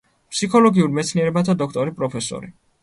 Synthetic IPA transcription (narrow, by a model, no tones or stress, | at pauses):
pʰsikʰɔlɔɡiuɾmɛt̪sʰniɛɾɛbat̪ʰad̪ɔkʰt̪ʼɔɾipʼɾɔpʰɛsɔ̰ɾi